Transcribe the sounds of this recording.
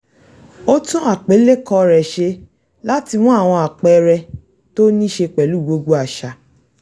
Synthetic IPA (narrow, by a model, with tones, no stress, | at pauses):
o˦tũ˦a˦˨k͡pe˨˦le˦kɔ˧ɾɛ˨ʃe˧ | la˦ti˧w̃ɔ̃˦a˦˨w̃ɔ̃˧a˨k͡pɛ˧ɾɛ˧ | to˦nĩ˦ʃe˧k͡pɛ˨lu˦˨ɡ͡bo˧ɡo˧˦a˨ʃa˨